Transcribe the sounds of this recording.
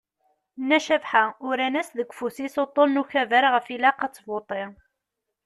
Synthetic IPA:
nːæʃævħaʊɾænæsðəɡʷfusisot̪ˤːonnuçævæɾʁəfilaqɑt͡sːvot̪ˤɪ

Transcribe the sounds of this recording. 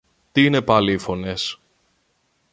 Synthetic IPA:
t̪iine̞pɐliːfo̞ne̞s

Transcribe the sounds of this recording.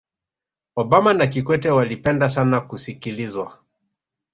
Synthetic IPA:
ɔbamanakikwɛtɛwalipɛndasanakusikilizwa

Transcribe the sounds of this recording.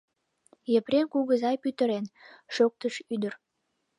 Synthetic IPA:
jəpɾenkuɣəzɑjpyt̪əɾenʃok̚t̪əʃyd̪ər

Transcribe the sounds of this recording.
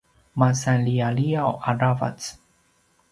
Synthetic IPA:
masalialiawʔaɾava̰t͡s

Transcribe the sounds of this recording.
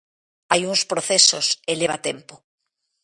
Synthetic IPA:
ajuŋspɾoθesoseleβ̞a̰t̪empo

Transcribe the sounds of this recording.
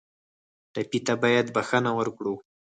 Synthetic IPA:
ʈapit̪abɑjad̪baxanawəɾkɽu

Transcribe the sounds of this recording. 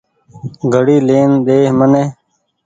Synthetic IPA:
ɡʱəɽiːleːnd̪eːməneː

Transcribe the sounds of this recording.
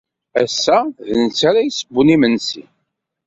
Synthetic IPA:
æ̰sːæðənt͡sːaɾajsəbːunimənsḭ

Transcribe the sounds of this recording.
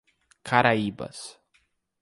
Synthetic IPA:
kʰaɾaibɐ̰s

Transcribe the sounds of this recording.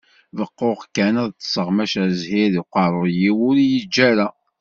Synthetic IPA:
vəqːoʁkːænəðt͡sːə̥səʁmæʃæɾzhiɾiqɑɾˤojiwʊɾijid͡ʒːæɾæ

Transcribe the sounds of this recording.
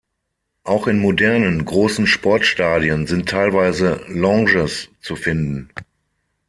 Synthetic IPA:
ʔaʊxɪnmodɛɐnənɡʁoːsn̩ʃpɔɐtʃtaːdiənzɪntʰːaɪlvaɪzəlɔ̃ŋʒəst͡sufɪndn̩

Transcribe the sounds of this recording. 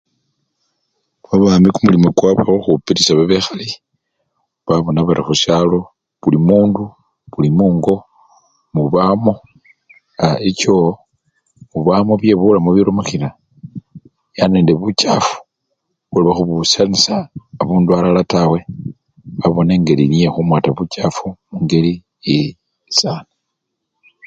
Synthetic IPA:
βaβaːmikumulimokwaβaoxupiɾisaβaβexali | βaβo̞naβaɾixuʃjalo̞ | βulimuːndu | βulimuːŋɡo̞ | muβamo̞ | aeco | muβamoβjeβulamoβjiɾomaxiɾa | jane̞ːndeβut͡ʃafu̥ | βuliβaxuβusanisaːβuːndualalatawe̞ | βaβo̞ne̞ːŋɡelinije̞xumwaːtaβut͡ʃafumuŋɡe̞li | je | saːna

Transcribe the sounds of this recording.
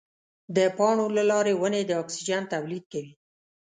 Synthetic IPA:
d̪əpɑɳolalɑɾewəned̪əɑksid͡ʒant̪awlid̪̚kawi

